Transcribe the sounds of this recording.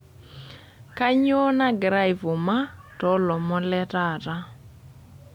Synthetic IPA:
ka˦ɲ˦o˦na˦ɡɾa˦ɪ˨vʊ˨ma˦tɔ˦lɔ˨mɔ˦lɛ˦ta˦˨ta˦

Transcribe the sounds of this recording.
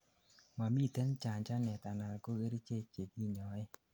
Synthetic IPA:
ma˨mi˦˨te˦nt͡ʃa˨ɲt͡ʃa˦nɛ˨ta˨na˨lko˦ɡe˦ɾi˦t͡ʃe˦t͡ʃe˨ki˦ɲɔ˨ɪ˦

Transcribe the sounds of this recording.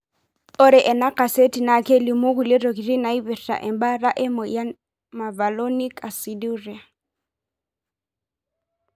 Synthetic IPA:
o˦ɾɪ˨ʔɛ˨na˦ka˨se˦ti˨nakʰe˦lɪ˨mʊ˦ku˨lɪ˦ro˨ki˨ri˦na˨i˦bɛ˨ta̰˨ʔɛ̰˨mba˦ra˦ʔɪ˦mɔ˨ja˦ | ma˨va˨lo˦ni˦ka˨si˨du˦ri˨a˨

